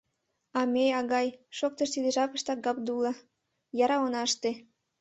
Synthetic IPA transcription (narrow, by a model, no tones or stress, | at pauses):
ɑmeɑɣɑjʃok̚t̪əʃt̪id̪eʒɑpəʃt̪ɑk̚ɡɑp̚d̪ulɑ̆ | jɑɾɑonɑʃt̪e